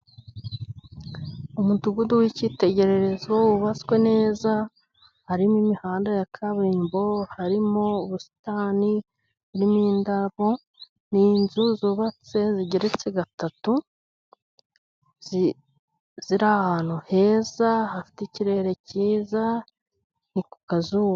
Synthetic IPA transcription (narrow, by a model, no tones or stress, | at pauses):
umuduɡuduwicite̞ɟe̞ɾe̞ɾe̞zwouβat͡swe̞ne̞ːza | haɾimwimihaːndajakʰaβiːmbo̞haɾimoːβusi̥taːni | βuɾimiːndaβo | niːnzuzuːβat͡se̞ziɟeɾet͡se̞ɡatatu | zi | z̥iɾahaːn̥uhe̞ːzahafi̥teciɾe̞ɾe̞ciːza | niku̥kazuwa